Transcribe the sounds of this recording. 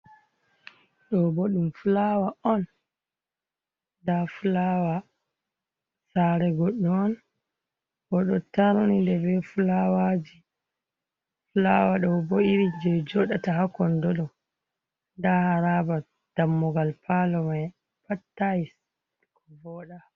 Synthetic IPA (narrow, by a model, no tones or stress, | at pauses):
ɗɔbɔɗumfulawaɔn | dafulawa | saɾɛɡɔɗːɔːn | ʔɔɗɔtaɾunindɛbɛfulawad͡ʒi | fulawaɗɔboiɾid͡ʒɛd͡ʒɔɗatahakɔndɔɗɔ | dahaɾaba | d̥amːɔɡalpʰalɔmaj | patːais | kʰɔvɔɗa